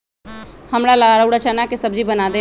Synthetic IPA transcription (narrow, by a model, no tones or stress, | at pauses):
həmɾalaɾəuɽat͡ʃanakesəbd͡ʒibənad̪e